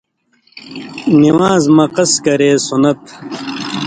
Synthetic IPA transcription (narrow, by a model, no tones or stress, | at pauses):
niwaːzmɐqɐskɐɾeːsunɐt̪